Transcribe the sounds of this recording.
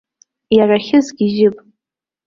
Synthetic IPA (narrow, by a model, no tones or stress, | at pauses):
jaraχʲɪzɡʲɪʒɪpʼ